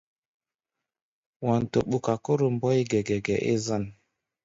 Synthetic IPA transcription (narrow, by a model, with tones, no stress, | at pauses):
wa˨n˨to̰˨ɓu˨ka˨ku˦ɾu˨m˦bɔ˦jɡe˨ɡe˨ɡe˨ʔḭ˦za˦˨n